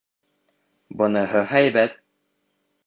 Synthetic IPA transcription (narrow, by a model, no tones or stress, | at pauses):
bɤ̆nɤɦɤɦæjbæt̪̚